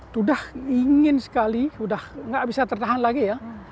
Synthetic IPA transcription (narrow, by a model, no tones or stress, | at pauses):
t̪udahiŋɪnsə̥kalisudahŋɡaʔbisat̪ərt̪aɦanlaɡija